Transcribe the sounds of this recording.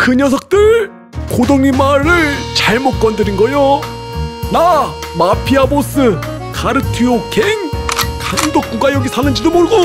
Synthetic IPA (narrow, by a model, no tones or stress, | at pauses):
kɯɲʌs̬ʰʌk̚t͈ɯɭ | kodoŋɲimaɾɯɭt͡ɕaɭmot̚k͈ʌndɯɾinɡʌjo | na | mapʰiabos͈ɯ | kaɾɯtʰiokeŋkaŋdok̚k͈uɡajʌɡisʰanɯnd͡ʑidomoɭɡo